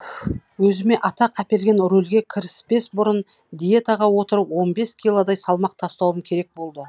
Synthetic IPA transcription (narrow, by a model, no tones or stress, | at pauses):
wɵzɪme̞ʔɑt̪ɑqæpe̞lɡʲe̞nɾolɡʲe̞kʲʰɪɾɪspe̞sbʊɾən | d̪ʲije̞t̪ɑʁɑwo̞t̪əɾəpwo̞nbe̞skʲʰijlˠod̪ɑjsɑlˠmɑq̚t̪ʰɑst̪ɑwəmkʲʰe̞ɾe̞k̚bo̞lˠd̪ə